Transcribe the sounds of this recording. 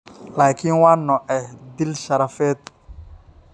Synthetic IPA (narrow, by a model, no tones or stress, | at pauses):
laːkʰinwaːnːɔʔɛhd̪ɪlʃɐɾɐfɛːd̪̚